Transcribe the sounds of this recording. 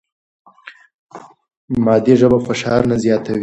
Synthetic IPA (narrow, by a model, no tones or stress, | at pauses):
mɑd̪iʒəbafaʃɑɾnazjɑt̪ʰawi